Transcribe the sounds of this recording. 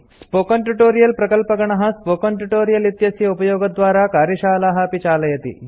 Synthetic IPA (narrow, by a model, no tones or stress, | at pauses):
spoːkɐɳʈuʈoːɾijɐlpɾɐkɐlpɐɡɐɳɐɦɐspoːkɐɳʈuʈoːɾijɐlit̪jɐsjɐupɐjoːɡɐd̪ʋaːɾaːkaːɾjɐʃaːlaːɦɐɐpit͡ʃaːlɐjɐt̪ḭ